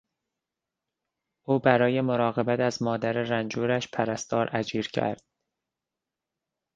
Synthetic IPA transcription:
ʔuːbæɾɒːje̞moɾɒːɣe̞bæt̪ʰæzmɒːd̪æɾeɾænd͡ʒuːɾæʃpʰæɾæst̪ɒːɾʔæd͡ʒiːɾcʰæ̰ɾd̪̥̚

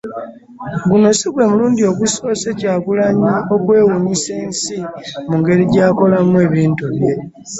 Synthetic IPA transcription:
ɡuno̞siɡwe̞muluːndio̞kuso̞ːse̞caːkulaɲio̞kwe̞ːwuɲiseːnsimuŋɡe̞ɾiɟaːko̞lamue̞ːβiːntuβje̞

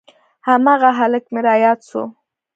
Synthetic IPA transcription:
hamɑɣaɦaləkmeɾɑjɑd̪ʃo̰

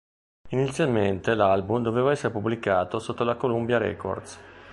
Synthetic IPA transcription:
init̪sːjalment̪elalbumd̪ovevaɛsːeɾepubːlikaːt̪osot̪ːolakolumbjaɾɛ̰ko̰rd̪s

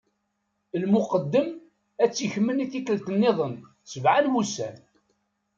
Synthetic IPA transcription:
lmʊqəd̪ːəm | æt͡sːiçəmːəniθikəlt̪ənːɪðˤən | səvʕanwusæ̰n

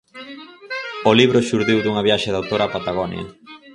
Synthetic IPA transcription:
oliβɾoʃuɾðiwd̪uŋɐβjaʃeðawt̪oɾapat̪aɣɔnj̰ɐ̰

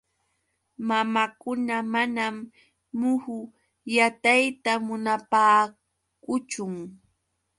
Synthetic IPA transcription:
mamakʊnamanamː | ʊhʊ | jat̪ajt̪amʊnapaː | kʊt͡ʃʊŋ

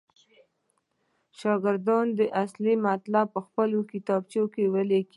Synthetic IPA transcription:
ʃɑɡɪɾd̪ɑnd̪əʔaslimat̪lapːəxpəlokit̪ɑb̚t͡ʃokewəleki

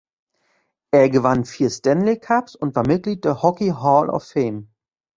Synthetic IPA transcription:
ʔeːɐɡəvanfiːɐstɛnlekʰapsʊntv̥aːɐmɪt̚ɡ̥liːt̚d̥eɛːɐhɔkiɦɔlʔɔ̰fɛɪm

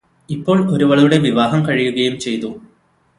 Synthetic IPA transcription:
ipːo̞ːɭo̞ɾuʋɐɭɐɾuɽe̞ʋiʋaːɦɐmkɐɻijuɣɐjumt͡ɕe̞jt̪u

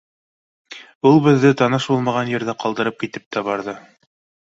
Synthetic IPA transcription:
ulˠbɘ̆ðːɘt̪ɑnɤʃbulˠmɑʁɑnjɘ̆ɾðæqɑlˠd̪ɤ̆ɾɤp̚kit̪ɘp̚t̪æbɑɾðɤ

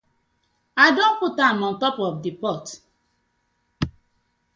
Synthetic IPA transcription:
adõnputamɔn̩tɔpɔfdipɔt

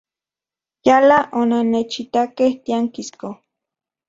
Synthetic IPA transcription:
jalaʔonanet͡ʃit̪akeht̪iaŋkisko

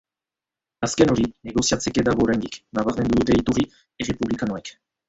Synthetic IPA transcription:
aske̞no̞ɾine̞ɣ̞o̞siat͡se̞ke̞d̪aɣo̞ːɾajnd̪iknaβaɾme̞nd̪uðut̪e̞it̪uri | e̞re̞puβlikanoek

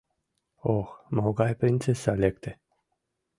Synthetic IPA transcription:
oxmoɡajpɾint͡sesalʲek̚t̪e

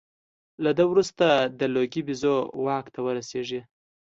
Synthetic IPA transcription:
lad̪əwɾust̪ad̪əloɡibizowɑkt̪ʰawəɾaseʐi

